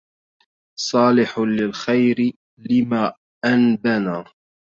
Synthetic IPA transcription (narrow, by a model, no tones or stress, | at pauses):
sˤɑːlɪħlɪlxajɾɪ | lɪmaː | ʔanbanaː